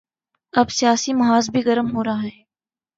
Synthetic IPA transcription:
ɐbsijaːsimɐɦaːzbʱiɣɐɾəmɦoːɾɐaːɦɛː

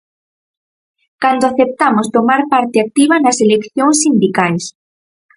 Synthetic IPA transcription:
kand̪oaθep̚t̪amost̪omaɾpaɾt̪ɪak̚t̪iβɐnɐselekθjoŋsːind̪ikajs

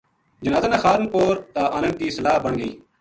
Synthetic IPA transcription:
d͡ʒɪnaːzeːnaːxaːɾnpoːɾt̪aːʔanən̚d̪iːsəlaːbəɳɡəiː

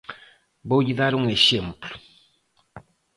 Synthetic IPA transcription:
bowɟiðaɾuŋeʃemplu̥

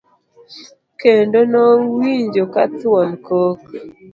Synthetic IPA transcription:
kendonowiɲd͡ʒokatwɔnkok

